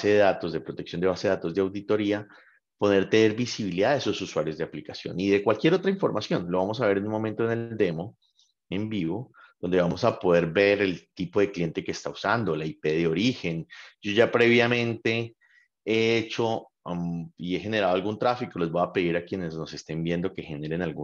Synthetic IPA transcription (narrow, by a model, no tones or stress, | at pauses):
seðeðat̪o̞zd̪e̞pɾo̞t̪eksjo̞nd̪e̞βaseat̪o̞zd̪eawd̪it̪o̞ɾia | po̞ðe̞ɾt̪eneɾbisiβiliðaðeso̞suswaɾjo̞zd̪e̞aplikasjo̞̰niðe̞kwalkje̞ɾo̞t̪ɾaiɱfo̞̰ɾmasjo̞nlo̞βamo̞s̬aβe̞ɾe̞nũnmo̞mẽnt̪one̞ld̪e̞mo̞ | e̞mbiβo̞ | d̪̥o̞nd̪e̞βamo̞sapo̞ð̞e̞ɾbe̞ɾe̞lt̪ipo̞ðe̞klje̞nt̪e̞keːst̪ausand̪o̞laipe̞ðeo̞ɾixe̞nd͡ʒo̞ʝapɾe̞βjamẽ̞nt̪e̞ | eet͡ʃo̞ | ie̞xe̞ne̞ɾaðoalɡunt̪ɾafikole̞zboape̞ðiɾakje̞ne̞zno̞se̞st̪e̞mbje̞nd̪o̞ke̞xe̞ne̞ɾe̞nalɡu